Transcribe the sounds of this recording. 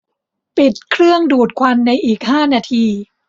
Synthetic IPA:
pi˨˩t̪̚kʰɾɯ˥˩əŋduː˨˩t̪̚kʰwa˧nːa˧jʔiː˨˩k̚haː˥˩naː˧t̪ʰiː˧

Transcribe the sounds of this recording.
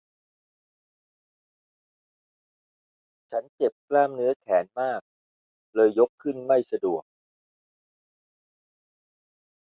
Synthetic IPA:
t͡ɕʰa˦˥nt͡ɕe˨˩p̚klaː˥˩mnɯ˦˥ɐkʰɛː˩˦nmaː˥˩k̚ | lɤː˧jːo˦˥kʰːɯ˥˩nma˥˩jsa˧du˨˩ək̚

